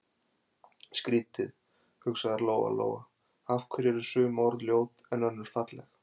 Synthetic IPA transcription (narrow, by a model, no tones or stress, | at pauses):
skɾiːt̪ɪð | hʏksaɣðaɾloːwa̰lo̰ːwa̰ | afkʰvʏɾjɛɾʏ̥sʏːmɔɾðljoːwt̪ɛnœnːʏɾ̥fat̪lɛx